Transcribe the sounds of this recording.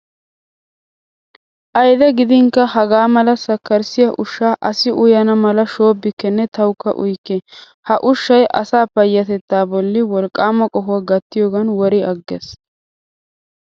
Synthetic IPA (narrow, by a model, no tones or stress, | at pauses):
ʔɐjd̪ɛɡɪd̪ɪŋkːɐɦɐɡaːmɐlɐsɐkːɐɾsɪjɐʔʊʃːaːʔɐsɪʔʊjɐnɐmɐlɐʃo̞ːbːɪkːɛnːɛt̪ɐwkːɐ̰ʔʊ̰jkːɛ | hɐʔʊʃːɐjʔɐsaːpɐjːɐt̪ɛt̪ːaːbɔlːɪwɔlkʼːaːmɐkʼɔɦʊwɐɡɐt̪ːɪjoːɡɐnwɔɾɪɐɡːɛs